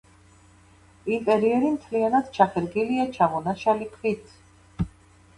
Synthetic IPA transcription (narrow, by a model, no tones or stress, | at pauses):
imp̪ʼɛɾiɛɾimt̪ʰlianad̪t͡ʃʰaχɛɾɡiliat͡ʃʰaʁɔnaʃalikʰwit̪ʰ